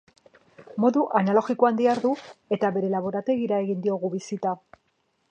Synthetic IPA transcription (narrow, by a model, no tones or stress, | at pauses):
mo̞ðuʔanalo̞ɣikoand̪iaɾðue̞t̪aβe̞ɾe̞laβ̞o̞ɾat̪e̞ɣiɾae̞ɣind̪io̞ɣuβisit̪a